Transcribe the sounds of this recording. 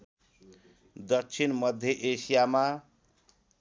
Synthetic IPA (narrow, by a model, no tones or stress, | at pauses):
d̪ʌk̚t͡sʰinmʌd̪ʱːjeʔesijama